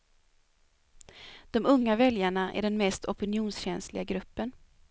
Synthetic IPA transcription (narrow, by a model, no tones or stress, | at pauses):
d̪̥ɔmɵŋːavɛljaɳaʔæ̰ɖɛnmɛst̪ʰɔpɪnɪuːnsɕɛnslɪɡaɡɾɵpːən